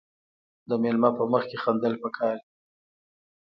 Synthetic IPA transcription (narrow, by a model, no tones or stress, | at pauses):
d̪əmelmɑpəməxkexand̪əlpəkʰɑɾi